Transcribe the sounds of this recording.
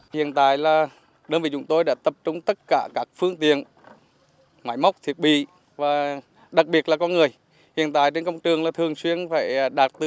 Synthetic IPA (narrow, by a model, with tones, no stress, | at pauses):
hḭ˧˨ənt̪a̰ː˧˨jlaː˨˩ | ɗəː˧nvi˨˩t͡ɕʊ˨˦ŋ͡mt̪o˧jɗa̰ː˧˥t̪ə˨˩p̚t͡ɕʊ˧ŋ͡mt̪ə˦˥t̚kaː˧˩kaː˦˥k̚fɨ˧əŋt̪ḭ˧˨ən | maː˧˦jma˦˥wk͡p̚t̪ʰi˨˩ət̚ɓḭ˧˨ | vaː˨˩ | ɗa˨˩k̚ɓi˨˩ət̚laː˨˩kɔ˧nŋɨ˨˩əj | hḭ˧˨ənt̪a̰ː˧˨jt͡ɕe˧nkə˧wŋ͡mt͡ɕɨ˨˩əŋlaː˨˩t̪ʰɨ˨˩əŋswi˧ənfaː˧˩jɗaː˨˩t̚t̪ɨ˧˨